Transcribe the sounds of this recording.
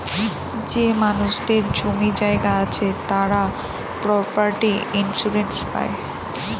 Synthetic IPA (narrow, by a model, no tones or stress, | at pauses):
d͡ʑemanuʃd̪eɾd͡ʑomid͡ʑaeɡaat͡ɕʰet̪aɾa | pɾɔpaɾʈiinsuɾenspa̰e